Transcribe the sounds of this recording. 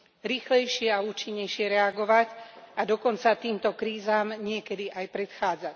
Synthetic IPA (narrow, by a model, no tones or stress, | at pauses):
ɾiːxlɛjʃɪɛauːt͡ʃiɲːɛjʃɪɛɾɛaɡɔʋacad̪ɔkɔnt͡sat̪iːmt̪ɔkɾiːzaːmɲɪɛkɛd̪iʔajpɾɛt̪xaːd͡zac